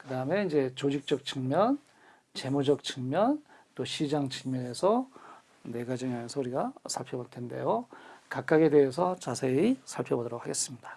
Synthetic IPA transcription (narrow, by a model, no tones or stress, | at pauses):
kɯdaɯme̞ind͡ʑe̞t͡ɕod͡ʑik̚t͡ɕ͈ʌk̚t͡ɕ͈ɯŋmjʌn | t͡ɕe̞mod͡ʑʌk̚t͡ɕʰɯŋmjʌnt͈oɕʰid͡ʑaŋt͡ɕʰɯŋmjʌne̞sʰʌ | ne̞ɡad͡ʑiŋamensʰʌuɾiɡasʰaɭpʰjʌboɭtʰe̞nde̞̰jokak͈̚aɡe̞de̞ɦesʰʌt͡ɕasʰe̞isʰaɭpʰjʌbodʌɾok̚haɡes͈ɯmɲida